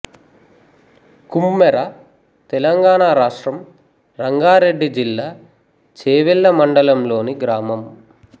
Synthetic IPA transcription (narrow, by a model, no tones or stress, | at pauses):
kumːɛɾa | t̪ɛlɐŋɡaːɳaːɾaːʂʈɾɐm | ɾɐŋɡaːɾe̞ɖːid͡ʒilːaː | t͡ʃeːʋilːɐmɐɳɖɐlɐmlo̞ːniɡɾaːmɐm